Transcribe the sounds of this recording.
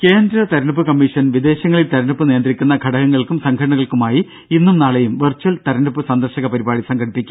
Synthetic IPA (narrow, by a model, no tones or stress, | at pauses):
keːnd̪ɾɐt̪ɐɾɐnup̬ːɨkɐmːiʂɐnʋid̪e̞ːɕɐŋːɐɭilt̪ɐɾɐɳupːɨne̞ːnd̪rikʲːunːɐɡʱɐɽɐɣɐŋːɐɭkumsɐŋɡʱɐʈɐɳɐɣɐɭkumaːji | inːumnaːɭɐjumʋɐrt͡ɕɐlt̪ɐɾɐnupːɨsɐnd̪ɐrɕɐɣɐpɐɾibaːɽisɐŋɡʰʱɐɽipːikʲːum